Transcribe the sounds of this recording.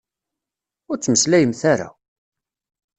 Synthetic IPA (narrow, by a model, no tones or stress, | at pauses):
ʊɾt͡sːməslæjəmθaɾa̰